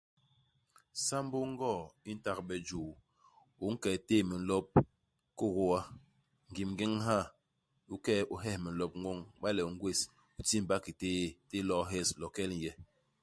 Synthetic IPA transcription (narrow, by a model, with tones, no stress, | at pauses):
sa˦m˦bo˦ŋ˦ɡɔ˦˨i˦n̩˦ta˦˨k̚ɓɛ˨d͡ʒuː˨ | u˨˦ŋ̩˦kɛ˨teː˦˨mi˨n̩˨lɔ˦p̚ | ko˦˨ɣo˦a˦ | ŋ̩˨ɡi˨mŋɡe˦ŋɦa˦˨ | u˦kɛ˦ʔu˨ɦɛ˦hmi˨n̩˨lɔ˦p̚ŋwo˦ŋɓa˦lɛ˨ŋ˦ɡwe˦˨s | u˨ti˦m̩˨ba˦ki˨teː˦te˦lɔ˦ɦɛ˦˨slɔ˨kɛ˦l̩˨jɛ˦